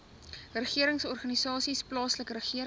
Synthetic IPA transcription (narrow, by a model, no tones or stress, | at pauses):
rəχiəɾəŋsɔrχɐnisɑːsisplɑːsləkrəχiəɾ